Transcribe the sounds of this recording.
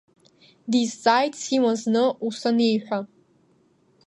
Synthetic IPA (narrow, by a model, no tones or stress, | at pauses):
dizt͡sʼajtshiwaznɨusɐnejħᶣʷa